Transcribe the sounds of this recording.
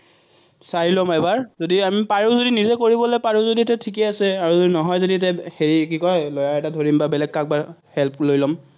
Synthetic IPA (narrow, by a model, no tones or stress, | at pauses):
saɹilɔmɛbaɹzodiamipaɹuzodinizɛkoɹibɔlɔjpaɹuzoditɛtʰik̬ɛasɛaɹuonɔɦɔjzoditɛxeɹik̬ikɔlɔjaɛtadʱoɹimbabɛlɛɡ̚kak̚bahɛlp̚lojlɔm